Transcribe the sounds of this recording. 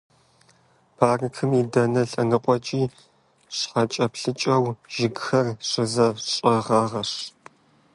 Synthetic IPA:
pʰaːrɨkʰɨmiːdɐnɐɬʼɐnɨqʷʼɔt͡ʃʼiː | ɕħɐt͡ʃʼɐpɬɨt͡ʃʼɐwʒ̥ɪɡxɐrɕʷɪzɐɕʼɐʁɑːʁɐʂ

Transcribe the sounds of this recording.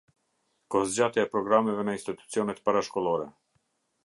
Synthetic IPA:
kɔhzd͡ʑat̪jaɛpɾɔɡɾamɛvɛnainst̪it̪u̥t͡siɔnɛt̪paɾaʃkɔlˠɔɾɛ

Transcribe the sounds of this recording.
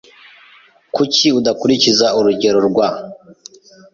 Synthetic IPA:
kuciudakuɾicizauɾuɟe̞ɾo̞ɾɡwa

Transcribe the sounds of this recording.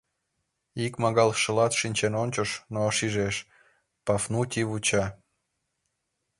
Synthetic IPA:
ikmɑɣɑlʃə̆lɑt̪ʃinʲt͡ɕenonʲt͡ɕə̆ʃnoʃiʒeʃ | pɑfnutʲiβut͡ɕɑ

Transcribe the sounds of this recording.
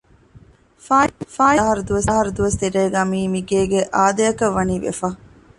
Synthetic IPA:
faːjɐɦɐɾud̪uʋɐsɦɐɾud̪uʋɐst̪iɾeːɡamiːmiɡeːɡeʔaːd̪ɐjɐkɐʋːɐniːʋḛfɐː

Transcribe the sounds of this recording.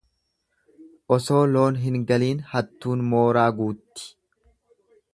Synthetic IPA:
ʔɔso̞ːlo̞ːnɦɪŋɡɐliːnhɐt̪ːuːnmoːɾaːɡuːt̪ːɪ̥

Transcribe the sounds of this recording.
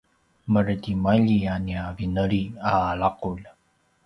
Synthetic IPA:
mərdimaʎianiavinəɭiaːɭaqul

